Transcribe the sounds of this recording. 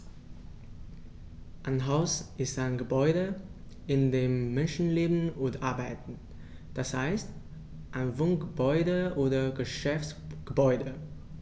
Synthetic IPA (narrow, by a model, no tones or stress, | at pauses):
ʔaɪnɦaʊsʔɪstaɪnɡəbɔʏɾə | ʔɪndeːmːɛnʃn̩leːbn̩ʊntʔaɐbaɪtn̩ | d̥ashaɪst | ʔaɪnvoŋɡəbɔʏdəʔoːdɐɡəʃɛftsɡ̥əbɔʏdə